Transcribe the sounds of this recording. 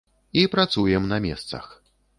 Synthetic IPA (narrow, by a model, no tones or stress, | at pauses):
ipɾat̪sujɛmnɐmʲɛst̪sɐ̰x